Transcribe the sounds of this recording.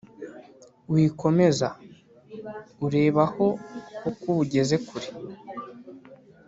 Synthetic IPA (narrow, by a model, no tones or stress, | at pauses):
wiko̞me̞za | uɾe̞ːβaho̞hokuβuɟe̞ze̞kuɾi